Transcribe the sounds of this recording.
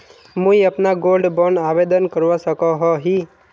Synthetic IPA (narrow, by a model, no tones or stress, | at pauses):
mũiəpnaɡolɖbɔnaʋed̪ənkəɾʋasəkoɦɔɦi